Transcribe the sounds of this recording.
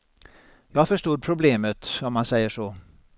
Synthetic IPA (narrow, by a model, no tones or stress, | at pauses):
jɑːfœʂt̪uːd̪̚pʰɾʊbleːmət̪ɔmːansɛjːəʂoː